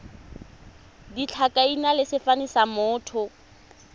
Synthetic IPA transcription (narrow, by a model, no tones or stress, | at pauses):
dit͡ɬʰakʼainalɪsɪfanisamʊːtʰʊ